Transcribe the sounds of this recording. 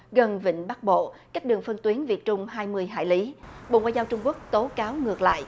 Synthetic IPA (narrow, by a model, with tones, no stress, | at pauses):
ɣə˨˩nvḭ̈˧˨ŋ̟ɓa˦˥k̚ɓo̰˧˨kaː˦˥k̚ɗɨ˨˩əŋfə˧nt̪wi˨˦ənvḭ˧˩ət̚t͡ɕʊ˧ŋ͡mɦaː˧jmɨ˧əjɦa̰ː˧˨jli˨˦ɓo̰˧˨ŋa̰ː˧˨jzaː˧wt͡ɕʊ˧ŋ͡mku˦˥ək̚t̪o˨˦kaː˨˦wŋɨ˨˩ək̚la̰ː˧˨jʔ